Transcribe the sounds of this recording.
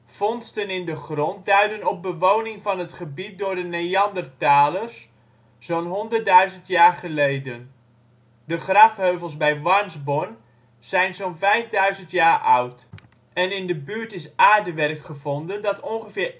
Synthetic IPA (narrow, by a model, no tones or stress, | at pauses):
fɔnstənɪndəχrɔnt̚dœɥdənɔp̚bəʋownɪŋfɑnətχəbit̚dʊːɹdənejɑndərtaːlərs | zoːnɦɔndərt̚dœɥzəntjaːɹχəlejdən | dəχrɑfhøɥvəlˠsbɛjʋɑɹnzbɔn | z̥ɛjnsonvɛjvdœɥzəntjaːɹʔʌwt | ɛnɪndəbyəɹtɪsaːɹdəʋɛrkχəvɔndəndɑtɔnχəfɪːr